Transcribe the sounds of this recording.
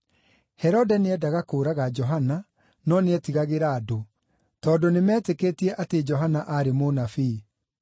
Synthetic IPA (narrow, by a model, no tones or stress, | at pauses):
hɛɾɔdɛneɛdaɣakoːɾaɣad͡ʒɔɦana | nɔneɛtiɣaɣeɾaːdo | tɔːdonemɛːtekeːtiɛʔated͡ʒɔɦanaʔaɾemonafi